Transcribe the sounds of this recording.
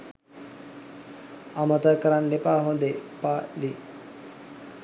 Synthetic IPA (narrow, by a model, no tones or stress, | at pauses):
amət̪əjkəɾanlepaɦõnd̪epali